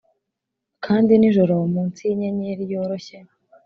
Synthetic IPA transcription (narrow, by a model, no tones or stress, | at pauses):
kʰaːndiniʒoɾowomuːnt͡siɲeɲiɾijoːɾoçe